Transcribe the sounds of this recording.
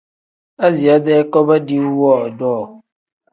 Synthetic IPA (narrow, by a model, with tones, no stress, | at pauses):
a˦zi˨a˦dɛ˦kɔ˦ba˦di˦wɔ˦˨dɔː˦˨